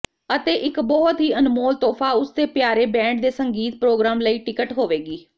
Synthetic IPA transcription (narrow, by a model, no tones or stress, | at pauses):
ət̪eːʔɪkbɔɦt̪ɦiːənmoːlt̪oːfʰaːʊsd̪eːpjaːɾeːbɛ̃ːɳʈ̚d̪eːsəŋɡiːt̪̚pɾoːɡɾaːmləiːʈɪkəʈɦoːʋeːɡiː